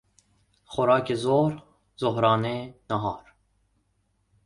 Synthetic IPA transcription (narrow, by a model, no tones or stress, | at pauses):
xɔɾɑːkezoːɾ | zoɦɾɑːnenaɦɑːɾ